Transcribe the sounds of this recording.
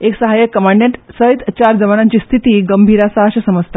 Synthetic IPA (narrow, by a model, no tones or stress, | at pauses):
eksəɦajəkkːəmaɳɖẽɳʈsəɦit̪t͡ɕaɾd͡zəʋanãɲt͡ɕiːst̪ʰit̪iːɡəmbʱiːɾasaɦaɕəsəməst̪ʰa